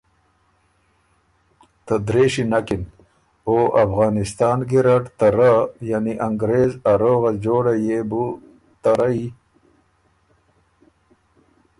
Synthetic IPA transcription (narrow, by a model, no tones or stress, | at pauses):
t̪ad̪ɾeːɕinakin | oʔafɣɑːnɪst̪ɑːnɡiɾaʈt̪aɾajaniʔaŋɡɾeːzaɾoːɣad͡ʑoːɽajebu | t̪aɾai